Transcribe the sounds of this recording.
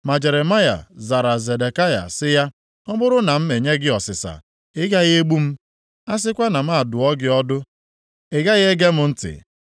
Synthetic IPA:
ma˨d͡ʒe˨ɾe˨ma˦ja̰˨za˨ɾa˨ze˨de˨ka˦ja̰˨sɪ˦ja˦ | ɔ˦bʊ˦ɾʊ˦na˨m̩˦me˨ɲe˦ɡɪ˦ɔ˨sɪ˨sa̰˨ | ɪ˦ɡa˦ɣɪ˦e˦ɡ͡bu˦m̩˦ | a˦s̬ɪ˦kʷa˦na˨m̩a˦a˨dʊ˨ɔ˦ɡɪ˦ɔ˦dʊ˦ | ɪ˦ɡa˦ɣe˦ɡe˦mʊ˦n̩˦tɪ̰˨

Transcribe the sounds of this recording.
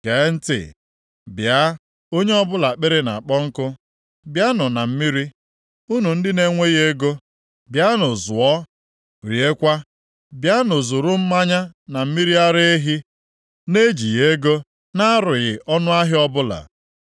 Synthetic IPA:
ke˨˦n̩˦tɪ̰˨ | bja˦ | o˦ɲe˦ɔ˦bʊ˦la˨k͡pe˦ɾe˦na̰˨k͡pɔ˦ŋ̩˦kʊ˦ | bja˦nʊ˨na˨m̩˦mi˦ɾi˦ | u˦nu˨n̩˦dɪ˦ne˦ŋʷe˦ɣe˦ɡo˦ | bja˦nʊ˨zʊ˨ɔ˦ | ɾi˨e˦kʷa˦ | bja˦nʊ˨zʊ˨ɾʊ˦m̩˦ma˦ɲa˦na˨m̩˦mi˦ɾi˦a˦ɾe˦e˦ɦi˦ | ne˦d͡ʒi˨je˦ɡo˦ | na˦a˦ɾʊ˨ɣɪ˨ʔɔ˦nʊ˦a˦ɦɪ˦ɔ˦bʊ˦la̰˨

